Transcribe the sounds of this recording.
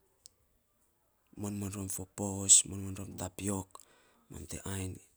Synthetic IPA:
monmonɾomfoposmonmonɾomtapiok | mo̰ntḛʔajn

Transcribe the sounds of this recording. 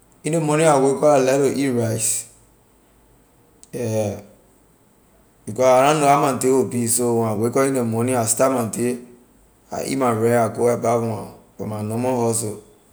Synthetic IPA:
inemɔnĩawekɔalɛɾoʔiɾais | ɛ | bikɔsaɾãnoamãnteobisowawekɔinemɔniastamãnte | a̰ʔḭmaɾɛ̃akoabavũa̰fɔ̰manɔmɔ̃hɔs̬o

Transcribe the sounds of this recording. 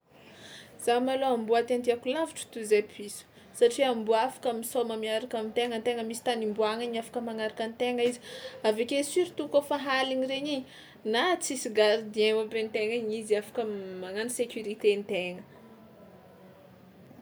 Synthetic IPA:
z̥amaloambuat̪ant̪iakulaviʈ͡ʂə̥t̪uzepʰisu̥ | saʈ͡ʂiambuafḁkamisawmamiaɾakamint̪eŋənt̪eŋəmisi̥t̪animbuaŋaɲafḁkəmaŋaɾakant̪eŋəizi̥avekesiɾit̪ukəfaɦaliɲiɾeɲi | nat͡sisiɡaɾid̪ieabent̪eŋəɲiziafḁkəmaŋanisekʲjuɾit̪ent̪eŋə

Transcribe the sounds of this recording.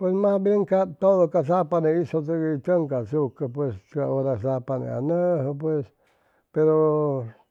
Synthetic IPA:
pwesmãbeŋkat̪oðokasapanẽiʂot̪̬ɨɡit̪əŋkasukap̬west͡ʃua̰oɾasapanḛ̃a̰nə̃ɦp̬wes | peɾo

